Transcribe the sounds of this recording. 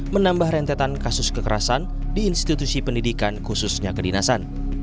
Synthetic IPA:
mənambahɾɛnt̪ɛt̪ankasʊskəkəɾasan | diːnst̪it̪usipəndidikankususɲakədinasan

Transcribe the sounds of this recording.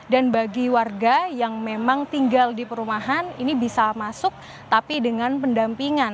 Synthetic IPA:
danbaɡiwarɡajaŋmemaŋt̪iŋɡaldipəɾumaɦaninibisamasʊk̚ | t̪apidəŋanpəndampiŋan

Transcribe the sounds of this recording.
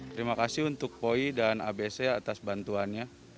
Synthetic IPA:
t̪əɾimakasiɦunt̪ʊk̚poidana̰beseat̪asbant̪uanɲa

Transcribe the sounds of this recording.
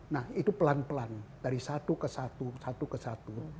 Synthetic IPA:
nahit̪upəlanpəland̥aɾisat̪ukəsat̪usat̪ukəsat̪u

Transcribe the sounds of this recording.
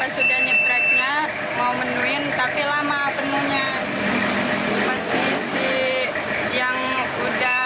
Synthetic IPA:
asudahɲət̪ɾak̚ɲa | maumənuɪnt̪apilamapənuɲa | paskisi | jaŋ | uda

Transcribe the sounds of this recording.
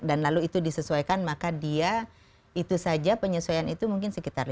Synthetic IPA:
danlaluit̪udisəsuajkanmakadia | it̪usad͡ʒapəɲəsuajanit̪umuŋkɪnsəkit̪arl

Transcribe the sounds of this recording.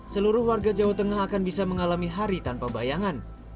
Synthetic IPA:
səluɾʊhwarɡad͡ʒawat̪əŋaɦakanbisaməŋalamiɦaɾit̪anpabajaŋan

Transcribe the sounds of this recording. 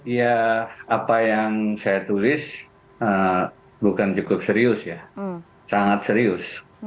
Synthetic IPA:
jaapajaŋsajat̪ulɪs | ə | bukant͡ʃukʊp̚səɾiʊsja | saŋat̪səɾiʊs

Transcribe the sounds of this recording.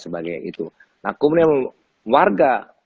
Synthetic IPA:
səbaɡajḭt̪u | nakumna | warɡa

